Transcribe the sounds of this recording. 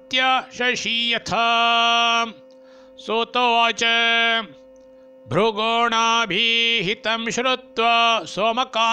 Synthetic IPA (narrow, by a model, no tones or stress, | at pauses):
t̪jɐʃɐʃiːjɐt̪ʰɐ | sot̪oːt͡ʃɐ | bʱɾuɡoːɳaːbʱiɦit̪ɐmʃɾut̪ʋɐswɐmɐkaː